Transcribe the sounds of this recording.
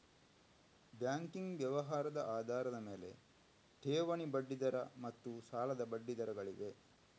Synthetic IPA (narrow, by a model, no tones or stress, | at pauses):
bjaːŋkiŋɡʋjɐʋɐɦaːɾɐd̪ɐʔaːd̪ʱaːɾɐd̪ɐme̞ːle̞̰ | ʈʰeːʋɐɳibɐɖːid̪ɐɾɐmɐt̪ːusaːlɐd̪ɐbɐɖːid̪ɐɾɐɡɐɭiʋe̞